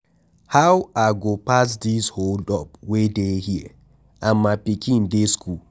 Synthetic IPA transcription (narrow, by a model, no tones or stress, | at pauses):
hawaɡopas̬disholdɔp̚wedehiɛ̰ | ʔamːapikĩndeskʰul